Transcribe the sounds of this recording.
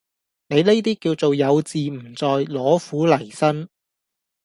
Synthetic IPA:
ne˨˧jne˥jt̪iː˥kiː˧wt͡so˨wjɐ˨˧wt͡siː˨m̩˨˩t͡sɔː˨jlɔː˨˥fuː˨˥lɐ˨˩jsɐ˥n

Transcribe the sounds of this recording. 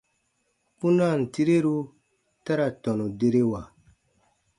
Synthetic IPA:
pu˦na˦˨n̩˨ti˦ɾe˦ɾu˦ | ta˦ɾa˨tɔ˨nu˨de˦ɾe˦wa˨

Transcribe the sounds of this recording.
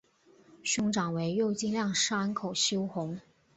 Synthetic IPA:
ɕʊ˥ŋʈ͡ʂɑ˨˩ŋwe˧˥ɪjo˥˧ʊt͡ɕi˥˧nljɑ˥˩ŋʂ̩˥a˧˥nkʰo˨˩ʊɕjo˥ʊxʊ˧˥ŋ

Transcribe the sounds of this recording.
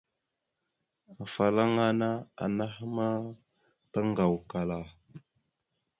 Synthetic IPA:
a˨fa˨la˦ŋa˦na˦a̰˨na˦hma˦ | ta˦ŋɡa˨wka˨la˨

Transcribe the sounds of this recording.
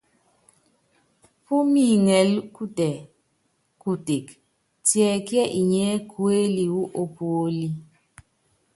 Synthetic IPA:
pu˦mi˦˨ŋɛ˨lku˦tɛ˨ | ku˦te˨k | tjɛ˨kjɛ˦ʔi˨ɲɛ˦kʰwe˦li˨wu˦ʔo˦po˦li˦

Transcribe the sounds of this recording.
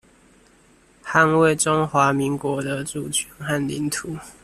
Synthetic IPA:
xa˥˧nwe˥˨ɪʈ͡ʂo˦ŋxwa˧˥˦mi˧˦ŋkwɔ˨˥d̪ə˧ʈ͡ʂu˥˨t͡ɕʰɛ˧˦nxa˥˨nli˨˥nt̪ʰu˨˦

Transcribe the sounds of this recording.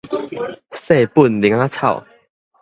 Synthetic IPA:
se˥˧˨pu˥˨nli˨˦ŋa˦t͡sʰa̰˥˨ʊ

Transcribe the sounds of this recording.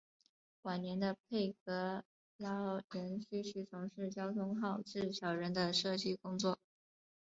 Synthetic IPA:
kwa˨˩njɛ˧˥nd̪ə˧pʰe˥˩ɪkɤ˧˥ | lɑ˥ɻə˧˥nɕy˥ɕy˥˩t͡sʰʊ˧˥ŋʂɻ̩˥˩t͡ɕjɑ˥ʊt̪ʰʊ˥ŋxɑ˥˧ʊʈ͡ʂɻ̩˥˩ɕjɑ˨˩ʊɻə˧˥nd̪ə˧ʂɤ˥˩t͡ɕi˥kʊ˥ŋt͡swɔ˥˩

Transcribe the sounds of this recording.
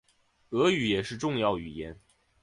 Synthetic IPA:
ɤ˧˥y˨˥jɛ˨˩ʂɻ̩˥˧ʈ͡ʂʊ˥˧ŋjɑ˥˩ʊy˨˩jɛ˧˥n

